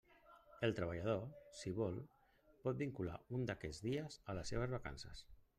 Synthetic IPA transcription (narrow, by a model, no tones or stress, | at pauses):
elˠt̪ɾəβ̞əʎəð̞osiβɔlˠ | pɔt̪̚biŋkula̰und̪akɛd͡zðiəzələsːeβ̞əzβaka̰nsə̰s